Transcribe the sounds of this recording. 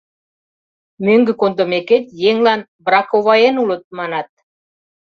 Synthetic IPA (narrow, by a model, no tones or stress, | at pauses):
møŋɡɘ̆kond̪omeket̪jeŋlɑn | brɑkovɑjenulɤ̆t̪̚mɑnɑt̪̚